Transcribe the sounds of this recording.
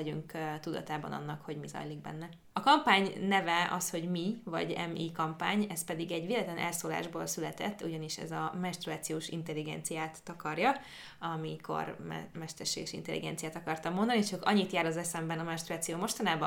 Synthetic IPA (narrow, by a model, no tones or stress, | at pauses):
ɛɟyŋkt̪ud̪ɒ̰t̪aːbɒ̰nɒ̰nːɒkho̞ɟmizɒ̰jliɡ̚bɛ̰nːɛ | ɒkɒmpaːɲnɛvɛɒsho̞ɟmivɒ̰ɟɛ̰mikɒmpaːɲɛspɛd̪iɡɛɟʋeːlɛt̪lɛnʔɛlsoːla̰ːʒboːlsylɛt̪ɛ̰t̪ːuɟɒniʃɛ̰zɒmɛʃt̪ɾuaːt̪sijoːʃint̪ɛlːiɡɛ̰nt̪sijaːt̪ːɒkɒrjɒ | ɒmikʰo̞̰r̰mɛʃt̪ɛrʃeːɡɛʃḭnt̪ɛlːʔḭɡɛ̰nt̪sijaːt̪ɒkɒrt̪ɒmːond̪ɒnit͡ʃokɒ̰ɲːit̪jaːɾɒzɛsɛmbɛnɒmɛʃt̪ɾuaːt̪sijoːmo̞ʃt̪ɒnaːbɒ